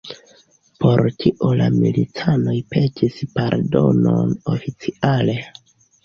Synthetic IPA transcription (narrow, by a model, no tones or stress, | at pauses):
po̞ɾtʰiʔolamilitʰano̞jpʰe̞tʰispaɾdo̞nonofit͡siʔale̞